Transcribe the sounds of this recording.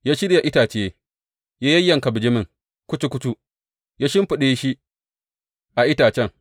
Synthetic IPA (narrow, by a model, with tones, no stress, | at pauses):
jaː˦ʃi˦ɗi˦˨ja˨ʔɪ˦taː˨t͡ʃɪ˨je˦ | jaː˦jɐ˦jːɐ˨ŋkɐ˨bɪ˨d͡ʒɪ˦mɪ˨ŋ | kʷʊ˦t͡ʃu˦kʷʊ˦tu˦ | jaː˦ʃɪ˦mɸu˨ɗe˦ʃi˦ | ʔa˨ʔɪ˦taː˨t͡ʃɛ˦ŋ